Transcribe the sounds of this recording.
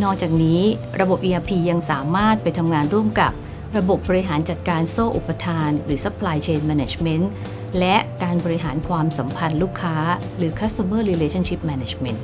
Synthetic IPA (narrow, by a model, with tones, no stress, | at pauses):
nɔː˥˩k̚t͡ɕaː˨˩k̚niː˦˥ | ɾa˧bo˨˩p̚ʔiː˧ʔaː˧pʰiː˧ja˧ŋsaː˩˦maː˥˩t̪̚pa˧jt̪ʰa˧mŋaː˧nɾu˥˩əmka˨˩p̚ | ɾa˧bo˨˩p̚bɔː˧ɾi˦ɦaː˩˦nt͡ɕa˨˩t̪̚kaː˧nsoː˥˩ʔṵ˨˩pːa˧t̪ʰaː˧nɾɯː˩˦sa˦˥pʰːlaː˧jt͡ɕʰeː˧nmɛː˧neː˨˩t͡ɕme˦˥n | lɛ˦˥kaː˧nbɔː˧ɾi˦˥ɦaː˩˦nkʰwaː˧msa˩˦mpʰa˧nluː˥˩kʰːaː˦˥ | ɾɯː˩˦kʰa˦˥st̪a˧mɤː˥˩liː˧leː˧t͡ɕʰa˥nt͡ɕʰi˦˥p̚mɛː˧ne˨˩t͡ɕme˦˥nt